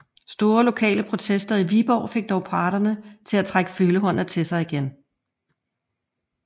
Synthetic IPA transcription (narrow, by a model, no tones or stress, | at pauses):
sd̥o̝ːɐlo̝kʰɛ̰ːləpʰʁo̝t͡sʰesd̥ɐiʋib̥ɒ̰ʊ̰fe̝ɡ̥̚d̥ɒʊpʰɑ̈ːɾ̥ɐnət͡sʰe̝læt͡sʰʁaɡ̥ə̥føːləɦɒ̽n̰ð̩ˠt͡sʰe̝lsɑ̈ɪiɡ̥en